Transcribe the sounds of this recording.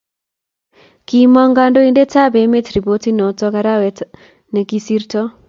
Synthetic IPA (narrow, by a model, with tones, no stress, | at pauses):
ki˨mɔ˦ŋɡa˦ndo˦i˦nde˦ta˦be˨˦me˦tɾi˨bo˦ti˦nɔ˨tɔ˦ka˦ɾa˦wɛ˨t | ne˨ki˦si˦ɾtɔ˦